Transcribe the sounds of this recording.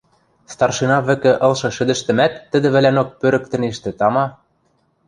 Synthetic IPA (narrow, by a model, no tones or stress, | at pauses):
st̪ɑrʃinɑβɘ̆kɘ̆ʔɤ̆lʃɤ̆ʃɘ̆d̪ɘ̆ʃt̪ɘ̆mæt̪ːə̆d̪ɘ̆βɘ̆lænok̚pøɾɘ̆k̚t̪ɘ̆neʃt̪ɘ̆t̪ɑmɑ